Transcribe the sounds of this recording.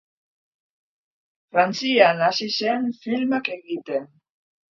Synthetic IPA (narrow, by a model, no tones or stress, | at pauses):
fɾant͡sianasisenfilmakeɣit̪en